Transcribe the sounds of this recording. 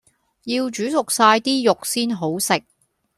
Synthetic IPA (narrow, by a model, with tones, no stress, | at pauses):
jiː˧wt͡ʃyː˨˥sʊ˨k̚saː˧jt̪iː˥jʊ˨k̚siː˥nɦo˨˥wsɪ˨k̚